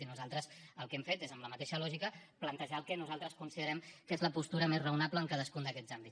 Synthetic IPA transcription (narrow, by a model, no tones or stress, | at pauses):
inuzalˠt̪ɾəsəlˠkɛmfet̪ezəmləmət̪eʃəlɔʒikəplənt̪əʒaəlˠkɛnuzalˠt̪ɾəskunsiðəɾɛmkezləpust̪uɾəmezrəwnapləːŋkað̞əskund̪əkɛzambi